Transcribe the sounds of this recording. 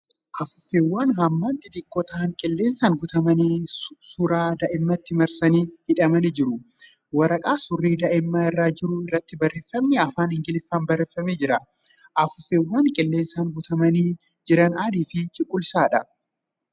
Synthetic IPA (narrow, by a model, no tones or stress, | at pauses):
ʔɐfʊfːeːwːaːnhɐːmːɐnt̪ʼɪd̪ɪkʼːɔt̪ɐɐŋkʼɪlːe̞ːnsaːŋɡʊt̪ɐmɐniːsʊɾaːd̪ɐʔɪmːɐt̪ːɪmɐɾsɐniːhɪᶑɐmɐnid͡ʒɪɾʊ | wɐɾɐkʼaːsʊrːiːd̪ɐʔɪmːɐɪrːaːd͡ʒɪɾʊɪrːɐt̪ːɪbɐrːeːfːɐmnɛɐfaːnhɪŋɡɪlɪfːaːnbɐrːeːfːɐmeːd͡ʒɪɾɐ | ʔɐfʊfːeːwːaːŋkʼɪlːeːnsaːŋɡʊt̪ɐmɐniː | d͡ʒɪɾɐnaːd̪iːfɪt͡ʃʼɪkʼːʊlsaːᶑɐ